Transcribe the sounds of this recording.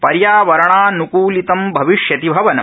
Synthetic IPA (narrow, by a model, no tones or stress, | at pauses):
pɐɾjaːʋɐɾɐɳaːnukuːlit̪ɐmbʱɐʋiʂjɐt̪ibʱɐʋɐnɐ